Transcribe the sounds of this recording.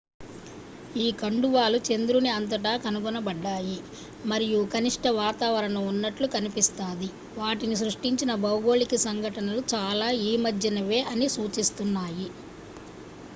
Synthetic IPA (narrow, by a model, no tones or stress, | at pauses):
iːkɐɳɖuʋaːlut͡ʃe̞nd̪ɾuniɐnt̪̬ɐʈ̬aːkɐnuɡunɐbɐɖːaːji | mɐɾijukɐniʂʈɐʋaːt̪aːʋɐɾɐnɐunːɐʈlukɐnipist̪aːd̪i | ʋaːʈinis̬ɾuʂʈiɲt͡ʃinɐbɐwuɡo̞ːlikisɐŋɡʱɐʈɐnɐlut͡ʃaːlaːiːmɐd̪jɐnɐʋe̞ːʔɐnisuːt͡ʃist̪unːaːji